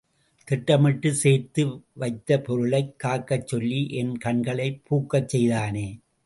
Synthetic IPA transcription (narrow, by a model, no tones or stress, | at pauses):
t̪ɪʈːɐmɪʈːɯseːɾt̪ɯʋɐɪt̪ːɐpɔɾɯɭɐɪkːaːɾkːɐt͡ʃːɔlːiʔɛnkɐɳɡɐɭɐɪpʰːuːkːɐt͡ʃːɛjðaːneː